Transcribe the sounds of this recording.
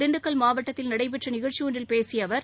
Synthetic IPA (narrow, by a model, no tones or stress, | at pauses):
d̪ɪɳɖɯkːɐɭmaːʋɐʈːɐt̪ːɪlnɐɽɐɪpɛʈrɐnɪɣɐɻt͡ʃːiɯɳrɪlpeːsɪjɐʋɐɾ